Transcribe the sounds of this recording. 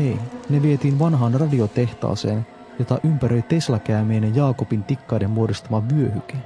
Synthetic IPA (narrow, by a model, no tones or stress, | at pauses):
ejne̞ʋie̞t̪iːnʋɑnɦɑːnrɑdio̞t̪e̞ht̪ɑ̰ːseːn | jo̞t̪ɑʔympæɾø̞jt̪e̞slækæymeːnejɑːko̞pint̪ikːɑjde̞mmuodist̪ɑmɑʋyøhyk̟e